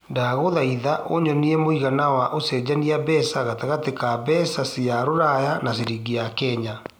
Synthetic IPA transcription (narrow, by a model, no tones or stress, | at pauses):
daɣoðaiðaʔoɲɔniɛmoiɣanawaʔosɛd͡ʑaniabɛsaɣataɣatekabɛsasiaɾoɾajanaseɾiɣiakɛːɲa